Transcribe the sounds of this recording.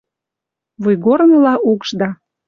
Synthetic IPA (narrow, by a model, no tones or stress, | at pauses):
βujɡornɤ̆lɑʔukʃd̪ɑ